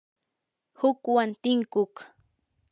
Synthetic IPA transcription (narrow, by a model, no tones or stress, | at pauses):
hʊkwant̪ɪŋkʊk